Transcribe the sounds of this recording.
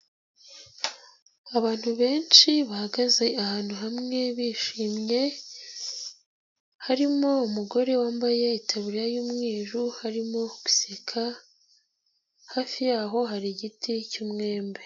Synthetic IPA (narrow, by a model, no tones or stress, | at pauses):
aβaːn̥huβe̞ːnt͡ʃiβahaɡaze̞ahaːn̥huɦamŋe̞βiːʃiːmje̞ | haɾimo̞umuɡo̞ɾe̞waːmbajeitʰaβuɾiɾajuːmŋiːʒuhaɾimo̞ɡwi̥sekʰa | haːfijaːɦo̞ɦaɾiɟiticuːmŋe̞ːmbe̞